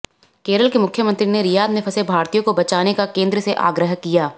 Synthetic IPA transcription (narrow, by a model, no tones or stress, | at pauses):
keːɾəlkemʊkʰjəmə̃nt̪ɾineɾɪjaːd̪mẽpʰɐsebʱaːɾt̪ijõkobɐt͡ʃaːnekakẽːnd̪ɾəseʔa̰ːɡɾəɦkijaː